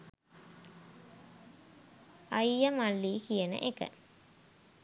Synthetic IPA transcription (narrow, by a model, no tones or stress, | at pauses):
ajjəmalːiːkijənə̰ʔekə̰